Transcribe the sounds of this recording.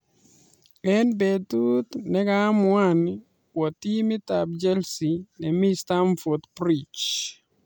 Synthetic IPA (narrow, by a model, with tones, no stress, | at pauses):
ɛ˦nbet̪u˦t̪nɛ˦ɡamwan | kwɔ˨t̪i˦mɪ˦t̪ab̚d͡ʒɛ˦lsi˨nɛ˨mi˦sta˦mfo˨d̪pɾit͡ʃ